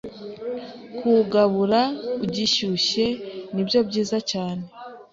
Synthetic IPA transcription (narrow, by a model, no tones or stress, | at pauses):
kʰuɡaβuɾauɟiʃuʃe̞nibjo̞bɟiːzacaːne̞